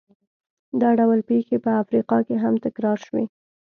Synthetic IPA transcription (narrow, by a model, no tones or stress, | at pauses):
d̪ɑɖawəlpexepəafɾiqɑkeɦamt̪ɪkɾɑɾʃwḛ